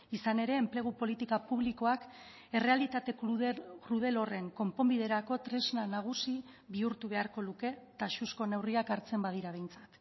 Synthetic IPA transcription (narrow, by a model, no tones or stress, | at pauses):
isane̞ɾe̞ːmple̞ɣ̞upo̞lit̪ikapuβliko̞ak | e̞re̞alit̪at̪e̞kɾuð̞e̞lo̞re̞ŋko̞mpo̞mbið̞e̞ɾako̞t̪ɾe̞znanaɣ̞usi | βiuɾt̪uβ̞e̞aɾko̞luke̞t̪aʃusko̞ne̞wriakaɾt͡se̞mbað̞iɾaβ̞e̞jnt͡sḁt̪